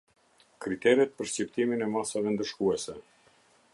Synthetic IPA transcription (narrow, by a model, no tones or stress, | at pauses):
kɾit̪ɛɾɛt̪̚pəɾʃcipt̪iminɛmasavɛnd̪əʃkuɛsɛ